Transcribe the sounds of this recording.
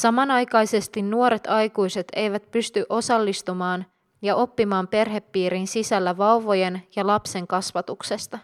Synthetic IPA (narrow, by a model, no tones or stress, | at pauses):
sɑmɑnɑjkɑjse̞st̪inːuo̞ɾe̞t̪ɑjkujse̞t̪e̞jʋæt̪̚pyst̪yʔo̞sɑlːist̪umɑːn | jɑʔo̞pːimɑːmpe̞rɦe̞pːiːɾinsisælːæʋɑuʋo̞je̞njɑlɑpse̞ŋkɑsʋɑt̪ukse̞st̪ɑ